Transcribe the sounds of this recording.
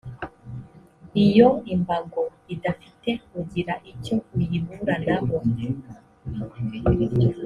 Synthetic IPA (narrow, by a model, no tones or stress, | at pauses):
ijoimbaɡoidafi̥tekuɟiɾaʔicoujivuɾanaβo